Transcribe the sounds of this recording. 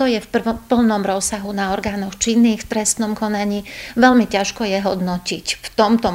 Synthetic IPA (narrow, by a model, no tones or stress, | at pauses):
t̪ɔjɛfpr̩pl̩nɔmɾɔsːaɦunaɔɾɡaːnɔxt͡ʃinːiːxft̪ɾɛst̪nɔmkɔnaɲiːʋɛlmicaʃkɔjɛɦɔd̪nɔcicft̪ɔmt̪ɔ